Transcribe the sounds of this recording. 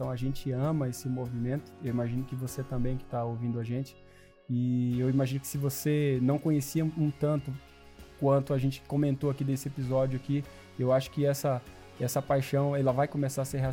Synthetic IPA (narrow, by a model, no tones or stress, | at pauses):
t̪ɐ̃w̃ɐaʒẽnt͡ʃɪɐ̃mɐesɪmovimẽnt̪ʊ̥ewimaʒĩnʊkɪvoset̪ɐ̃mbẽj̃kɪ̥t̪aowvĩnd̪ʊaʒẽnt͡ʃɪ̥ | ɪewimaʒĩnʊkɪ̥sɪvosenɐ̃w̃kõɲesiɐũt̪ɐ̃nt̪ʊ | kwɐ̃nt̪ʊaʒẽnt͡ʃɪ̥kõmẽnt̪oakid̪esɪepizɔd͡ʒʊaki | ewaʃʊ̥kɪɛsɐ | ɛsɐpajʃɐ̃w̃ɛlɐvajkõmesaɾseɦe